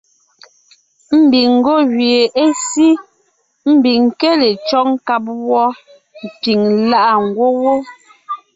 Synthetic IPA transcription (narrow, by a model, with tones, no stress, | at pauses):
m̩˦˨bi˨ŋ̩˨ɡo˦˨ɣɥi˨e˨ʔe˦si˦ | m̩˦˨bi˨ŋ˨kɛ˦le˨t͡ʃɔ˦ŋ̩˦ka˦˨p̬̚wɔ˦ | m̩˨pi˨ŋla˦ʔa˨ŋ˨ɡwo˦wo˦